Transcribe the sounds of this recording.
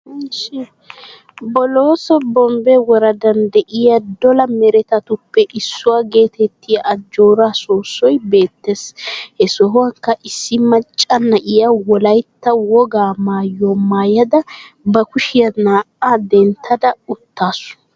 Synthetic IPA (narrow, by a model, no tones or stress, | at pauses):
ʃ | bɔloːsɔbɔmbɛwɔɾɐd̪ɐnd̪ɛʔɪjɐd̪ɔlɐmɛɾɛt̪ɐt̪ʊpːɛʔɪsːʊwaːɡe̞ːt̪ɛt̪ːɪjɐʔːd͡ʒːo̞ːɾaːsoːsːɔjbe̞ːt̪ːeshɛsɔɦwɐŋkːɐʔɪsːɪmɐt͡ʃʼːɐnːɐʔɪjɐwɔlɐjt̪ːɐwɔɡaːmaːjɔmaːjɐd̪ɐ | bɐkʊʃɪjɐnaːʔad̪ɛnt̪ʰːɐd̪ɐʊt̪ːaːsʊ̥